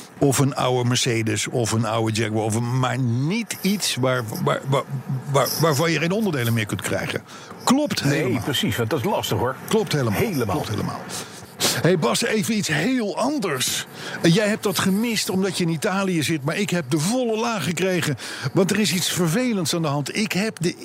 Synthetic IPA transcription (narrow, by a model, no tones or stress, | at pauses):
ɔfənʌ̰wəməɹseːdəsɔfəna̰wəd͡ʒɛkwəɔfəma̰ːɹnitʰitsʋaːɹa̰ːaaʋaːɹvɑnjəenɔndəɹdejlənmɪːɹkɵntkrɛ̰jχə̰ | klɔptɦelprəsisdɑtɪslɑstəχɦʊɹklɔptɦejləmɦeləma̰lɔtɦḛːlə̰ma̰ːlˠ | ɦejbɑsejvənitsɦeːlˠɑndəɹs | jɛjɦɛp̚dɑtχəmɪstɔmdɑtjəɪnitaːlijəzɪtmaːɹɪkɦɛp̚dəvɔləlaːχəkrejχənʋɑntərɪsitsfəɹvejləntsaːndəɦɑntɪkɦɛpdə